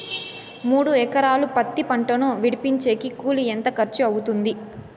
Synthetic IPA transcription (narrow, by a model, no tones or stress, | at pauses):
muːɽuɛkɐɾaːlupɐt̪ːipɐɳʈɐnuʋiɽipiɲt͡ʃe̞ːkikuːlient̪ɐkɐɾt͡ʃuɐwut̪und̪i